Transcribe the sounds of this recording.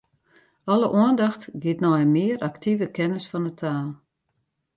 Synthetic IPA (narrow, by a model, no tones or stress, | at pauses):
ɔləʔuəndɑxtɡiətnɔjmɪəɾʔaktʰivəkɛnəsfɔnətʰaːlˠ